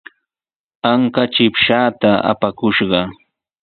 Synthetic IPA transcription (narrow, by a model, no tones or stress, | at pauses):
aŋkat͡ʃɪpʃaːt̪aa̰pakʊʃɢɑ